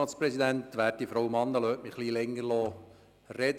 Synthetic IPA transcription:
ɑːspɾɛsid̪æntʋæːt̚difɾɔwmɑnːəlœːtmɪχliːlɛŋːəɾlɔː | rɛd̪

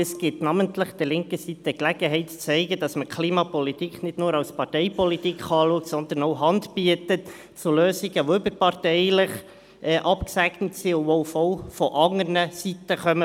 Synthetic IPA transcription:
ɛsɡ̥ɪtnɑməntlɪχd̥̪ɛlɪŋkəsit̪əklɛɡ̥əɦɛɪtt͡sɛɪɡəd̥ɑsməkʰliːmɑpɔlitikχnɪd̥nuːɾɑwspɑɾtɛɪpɔlitikχɑːluək̚tsɔnd̪ənoʊɦɑndbiətət | t͡suløːziɡəʋoʏbəɾpɑrtɛɪlɪχ | ʔɛːʔɑpksæɡnətsiʊboʊfɔlfɔʔɑŋənəsit̪əχœmə

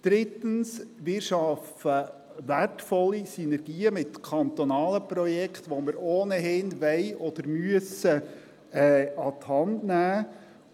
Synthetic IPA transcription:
d̪̥ɾɪt̪ənsʋɪːɾʃɑf | ə | ʋærtfɔlːisynɛɾɡiːəmɪtkʰɑnt̪ɔnɑːləpɾɔjɛkχt̪ʋoməɾoːnəɦɪnʋɛɪʔɔd̪̥əɾmyəsə | ɛɑt̪hɑndnæː

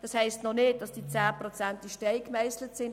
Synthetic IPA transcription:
d̥ɑshɛɪstnɔnɪt̚d̥ɑsd̥iːt͡saːprot͡sɛnt̚diʃtɛɪkmɛɪslətsɪn

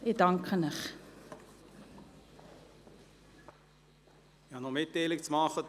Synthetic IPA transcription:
idɐŋkχənəχ | ɪhɑnɔmɪtːeɪlɪkt͡smɑχə

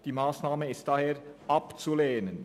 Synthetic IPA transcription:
d̥iːmaːsnaːməɪst̚d̥ɑːheːɾʔɑpt͡suleːnən

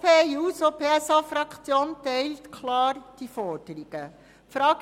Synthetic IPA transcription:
pʰeːuːsopʰeːɛsɑːfɾɑkt͡sjoːntɛɪltkʰlɑːɾd̥ifɔɾd̥əɾiɡ̥ə | fɾɑːɡ

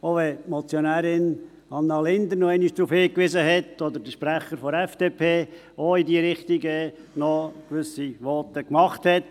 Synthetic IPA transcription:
oʋɛtmɔt͡sjonæːɾɪn | ɑnːɑlɪnd̪əɾnɔɛɪniʃd̪̥ɾuːfhɪːkʋɪzəɦɛt̪ɔd̪əɾdəʃpɾæχəɾfɔɛfd̥eːpʰeː | oidiəɾɪχt̪iɡə | nɔkʋʏsiʋɔtəkmɑχthɛt

